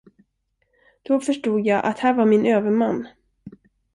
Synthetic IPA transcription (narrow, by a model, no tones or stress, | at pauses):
d̪̥ɔfœʂʈuːd̪jaːʔa̰t̪hæːɾvaɾmɪnøːvəɾmanː